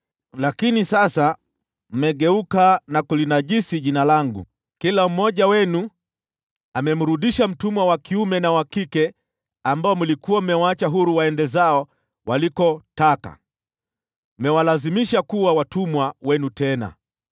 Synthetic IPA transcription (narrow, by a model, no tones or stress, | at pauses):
lakinisasa | m̩mɛɠɛukanakulinaʄisiʄinalaŋɡṵ | kilam̩mɔʄawɛnu | amɛm̩ɾuɗiʃam̩tumwawakiumɛnawakikɛ | ambaɔmulikuwam̩mɛwaat͡ʃaɦuɾuwaɛndɛzaɔ | walikɔtaka̰ | mɛwalazimiʃakuwawatumwawɛnutɛna̰